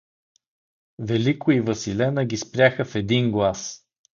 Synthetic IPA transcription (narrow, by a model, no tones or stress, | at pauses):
vɛlikoivəsilɛnəɡʲispɾʲjaxəfɛd̪inɡlˠas